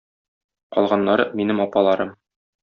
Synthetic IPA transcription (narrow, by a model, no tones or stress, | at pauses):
qɒ̰lˠʁɑnːɑɾɤminɘmɒpɑlˠɑɾɤm